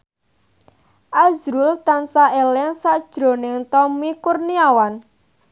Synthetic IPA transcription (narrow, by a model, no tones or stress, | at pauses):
ʔazɾult̪ansaʔelɛŋsaʔd̥ʒ̥ɾo̤nɪŋt̪ɔmikurniawan